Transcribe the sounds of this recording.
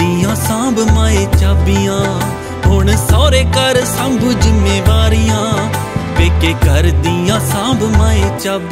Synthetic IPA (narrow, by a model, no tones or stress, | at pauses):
ijãːsãːbmaːeːt͡ʃaːbijãː | ɦʊɳsɔːɾeːkəɾsə̃mbud͡ʒɪmeːʋaːɾɪjãː | beːkeːɡʱəɾd̪iãːsãːbmaːeːt͡ʃaːb